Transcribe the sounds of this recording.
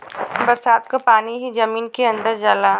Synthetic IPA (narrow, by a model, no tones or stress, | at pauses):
bəɾsaːd̪kapaːniɦid͡ʒɐmiːnkeɐ̃nd̪əɾd͡ʒala